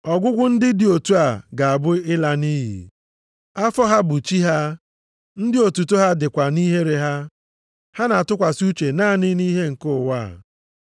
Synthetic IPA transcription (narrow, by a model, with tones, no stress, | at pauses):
ɔ˨ɡʷʊ˦ɡʷʊ˦n̩˦dɪ˦dɪ˨o˨tu˦a˨ɡa˨a˨bʊ˦ɪ˦la˦ni˦ɦḭ˨ | a˦fɔ˦ɦa˦bʊ˨t͡ʃi˦ɦa˦ | n̩˦dɪ˦o˨tu˨to˦ɦa˦dɪ˨kʷa˨ni˦ɦe˦ɾe˨ɦa˦ | ha˦na˨a˨tʊ˦kʷa˨su˦t͡ʃe˨naː˦˨nɪ˦ni˦ɦe˦ŋ̩˨kʊ˦˨wa̰˦˨